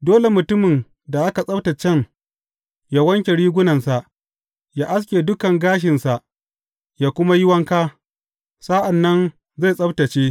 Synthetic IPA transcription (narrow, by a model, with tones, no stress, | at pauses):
doː˦le˨mʊ˨tʊ˦mɪ˨n | da˨ʔa˦ka˨sʼɐ˦bta˨t͡ʃɛ˦n | ja˦wɐ˦ŋkʲe˨ɽiː˦ɡʷʊ˦nɐ˨nsa˨ʔ | jaː˦ʔa˦s̬kʲeː˨dʊ˦kɐ˨ŋɡaː˦ʃ̬ɪ˨nsa˨ʔ | jaː˦kʷʊ˦ma˦jɪ˦wɐ˦ŋkaː˦ | sa˦ʔa˨nːɐ˦n | ze˦˨sʼɐ˦bta˨t͡ʃeː˦